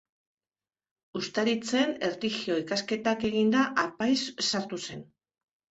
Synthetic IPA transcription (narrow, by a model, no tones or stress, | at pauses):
ust̪aɾit͡se̞ne̞ɾt̪ixio̞ikaske̞t̪ake̞ɣ̞ind̪aʔapajsːaɾt̪use̞n